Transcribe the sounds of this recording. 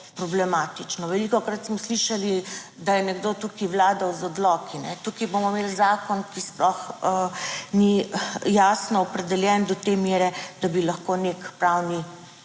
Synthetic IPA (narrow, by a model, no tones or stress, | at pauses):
pɾɔblɛmaːt̪it͡ʃnɔʋɛlikɔkɾat̪smɔsliʃali | d̪ajɛnɛɡd̪ot̪uːkiwlaːd̪awzɔd̪lɔkinɛt̪uːkibomɔmelzaːkɔnkisplɔx | nijasnɔːpɾɛd̪ɛljɛnd̪ɔt̪emjeːɾɛd̪̥abilɐxkonekpɾawni